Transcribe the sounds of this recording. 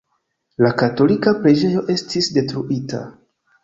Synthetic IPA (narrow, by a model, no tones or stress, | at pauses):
lakato̞likapɾe̞d͡ʒe̞jo̞ʔe̞stisde̞tɾuʔita̰